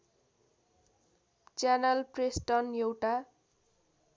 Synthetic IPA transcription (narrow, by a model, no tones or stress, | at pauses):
t͡sjanʌlpresʈʌnjewʈa